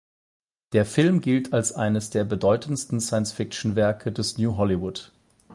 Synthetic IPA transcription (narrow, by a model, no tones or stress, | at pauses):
d̥eːɐfɪlmɡɪltʰalsʔa̰ɪnəsd̥eːɐbədɔʏtən̩stn̩saɪənsfɪk̚t͡ʃn̩vɛɐkʰədɛsnjuːɦɔliwʊt